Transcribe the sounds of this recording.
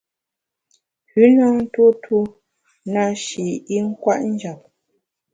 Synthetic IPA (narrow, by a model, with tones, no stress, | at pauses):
hʉ˨˦na˦ŋn̩˦two˦twu˦ | na˦˨ʃi˨i˦ŋ̩˦kwa˦˨ʔn̩˦d͡ʒa˨p̚